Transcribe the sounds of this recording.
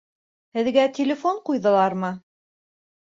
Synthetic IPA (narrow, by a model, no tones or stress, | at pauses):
hɘ̆ðɡæt̪ʲɪlʲɪfoɴqujðɤ̆lˠɑɾmɤ